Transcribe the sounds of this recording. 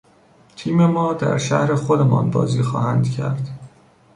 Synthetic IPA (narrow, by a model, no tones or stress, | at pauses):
t̪ʰiːme̞mɒːd̪æ̰ɾʃæhɾe̞xod̪e̞mɒ̰ːnbɒ̰ːziːxɒːhænd̪̥cʰæ̰ɾd̪̥